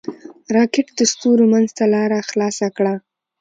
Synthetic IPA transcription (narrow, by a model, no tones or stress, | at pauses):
ɾɑkɪʈd̪əst̪oɾomanzt̪alɑɾaxlɑsakɽa